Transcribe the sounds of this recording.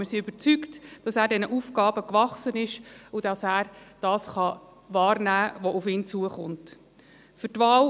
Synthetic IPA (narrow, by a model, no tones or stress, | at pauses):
məɾsiʏb̥əɾt͡syktd̥ɑsæːɾdɛnəʔuːfɡɑːbəkʋɑχsənɪʃʊd̥ɑsæːɾd̥ɑːsχɑ | vɑːɾnæːʋɔʔufɪːnt͡suəχʊnt | fʏtʋɑːl